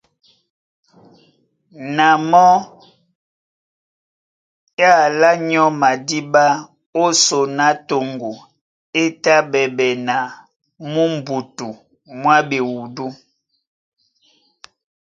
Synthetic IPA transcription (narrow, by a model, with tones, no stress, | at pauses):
na˨mɔ˦ | ja˦˨la˦ɲɔ˦ma˨di˦ba˦ | o˦so˨na˦to˨ŋɡo˨ | e˦ta˦bɛ˨bɛ˨na˨ | mu˦m̩˨bu˨tu˨ | mwa˦be˨wu˨du˦